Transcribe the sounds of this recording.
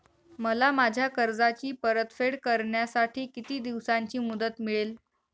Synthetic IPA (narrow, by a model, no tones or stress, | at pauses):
məlamad͡ʑʱjakəɾd͡zat͡ɕiːpəɾət̪feɽkəɾɳjasaʈʰiːkit̪iːd̪iʋsaɲt͡ɕiːmud̪ət̪miɭel